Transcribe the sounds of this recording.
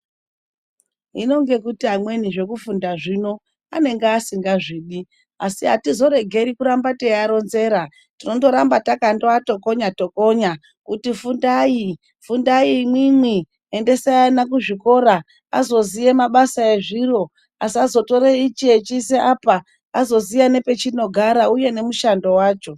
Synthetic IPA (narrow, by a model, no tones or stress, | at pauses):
ḭno̞ŋɡe̞kutiɦamwe̞niʐe̞kufundaʐino̞ | ane̞ŋɡeasiŋɡaʐiːɗi | a̰siɦatizo̞ɾe̞ɡʱe̞ɾikuɾambatejaɾo̞nze̞ɾa | tino̞nto̞ɾambatakandoato̞ko̞ɲato̞ko̞ɲa | kutifundai | fundaimwimwi | ende̞sajanak̬uʐiko̞ɾa | a̰zo̞zije̞maɓasaeʐiro̞ | asiazo̞to̞ɾeit͡ʃiet͡ʃiseʔapa | azo̞zijane̞pe̞t͡ʃino̞ɡʱaɾauje̞ne̞muʃando̞waːt͡ʃo̞